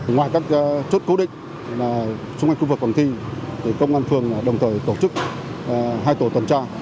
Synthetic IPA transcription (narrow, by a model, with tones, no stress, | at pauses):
ŋwaː˨˩jkaː˦˥k̚t͡ɕo˦˥t̚ko˨˦ɗḭ̈˧˨ŋ̟ | laː˨˩ | t͡ɕʊ˧ŋ͡ma˧ŋ̟xu˧vɨ˨˩k̚ɓaː˨˩t̪ʰi˧t̪ʰi˨˩kə˧wŋ͡mʔaː˧nfɨ˧ən˨˩ɗə˨˩wŋ͡mt̪ʰəː˨˩jt̪o˧˩t͡ɕɨ˦˥k̚ | ɦaː˧jt̪o˧˩t̪wə˨˩nt͡ɕaː˧